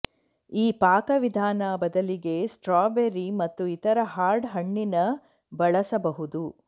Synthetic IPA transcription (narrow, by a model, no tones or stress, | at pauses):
iːpaːkɐʋid̪ʱaːnɐbɐd̪ɐliɡe̞sʈɾaːbeɾimɐt̪ːuit̪ɐɾɐɦaːɾɖɦɐɳːinɐ | bɐɭɐsɐbɐɦud̪u